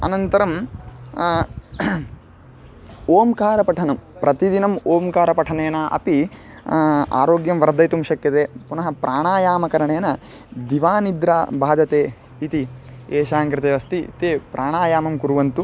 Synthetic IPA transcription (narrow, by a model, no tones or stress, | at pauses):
ɐ̰nɐnt̪ɐɾɐm | oːmkaːɾɐpɐʈʰɐnɐmpɾɐt̪id̪inɐmoːmkaːɾɐpɐʈʰɐneːnɐʔɐ̰pi | a̰ːɾoːɡjɐmʋɐɾd̪ɐjt̪umʃɐkjɐt̪eːpunɐɦɐpɾʔaːɳaːjaːmɐkɐɾɐɳeːnɐ | d̪iʋaːnid̪ɾabʱaːd͡ʒɐt̪eː | it̪ieːʃaːŋkɾɪt̪eːʋɐst̪it̪eːpɾʔaːɳaːjaːmɐmkuɾuʋɐnt̪u